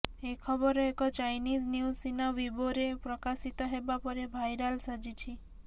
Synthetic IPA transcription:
ekʰɔbɔɾɔekɔt͡ʃajnid͡ʒniusinaʋiboɾepɾɔkasit̪ɔɦebapɔɾebʱajɾalsad͡ʒit͡ʃʰi

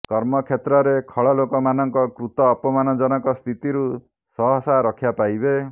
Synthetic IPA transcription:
kɔɾmɔkʰjet̪ɾɔɾekʰɔɭɔlokɔmanɔŋkɔkɾut̪ɔːpɔmanɔd͡ʒɔnɔkɔst̪ʰit̪iɾu | sɔɦɔsaɾɔkʰjapajbe

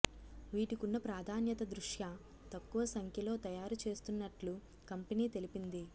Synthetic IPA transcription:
ʋiːʈikunːɐpɾaːd̪ʱaːnjɐt̪ɐd̪ɾuʂjɐ | t̪ɐkːuʋɐsɐŋkʰjɐlo̞ːt̪ɐjaːɾut͡ʃe̞ːst̪unːɐʈlu | kɐmpeniːt̪e̞lipind̪i

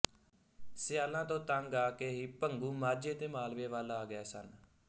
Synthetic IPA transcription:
sɪjaːlãːt̪õːt̪aŋɡaːkeːɦiːpəŋɡuːmaːɾd͡ʒeːt̪eːmaːlʋeːʋaːlaːɡɪɛːsən

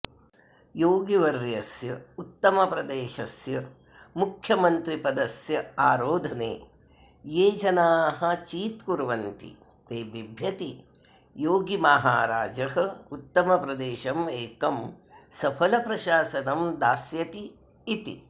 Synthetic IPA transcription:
joːɡiʋɐɾjɐsjɐut̪ːɐmɐpɾɐd̪eːʃɐsjɐ | mukʰjɐmɐnt̪ɾipɐd̪ɐsjɐaːɾoːd̪ʱɐnḛː | jeːd͡ʒɐnaːɦɐt͡ʃiːt̪kuɾʋɐnt̪ḭ | t̪eːbibʱjɐt̪i | joːɡimaɦa̰ːɾa̰ːd͡ʒɐɦɐ̆ut̪ːɐmɐpɾɐd̪eːʃɐmeːkɐm | sɐpʰɐlɐpɾɐʃaːsɐnɐmd̪aːsjɐt̪iː | t̪ḭ

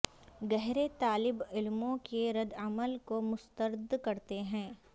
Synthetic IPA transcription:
ɡɛɦɾet̪aːlɪbɪlmõkeɾɐd̪ɐməlkomʊst̪əɾd̪kɐɾt̪eɦɛ̃ː

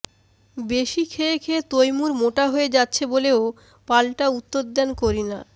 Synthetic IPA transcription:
beʃikʰeekʰeːt̪ojmuɾmoʈaɦoed͡ʑatːɕʰeboleo | palʈaut̪ːoɾd̪ɛnkoɾina

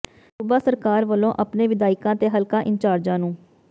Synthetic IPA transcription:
sʊbaːsəɾkaːɾʋəlːõːʔəpneːʋɪd̪aːɪkãːt̪eːɦəlkãːʔɪnt͡ʃaːɾd͡ʒãːnũː

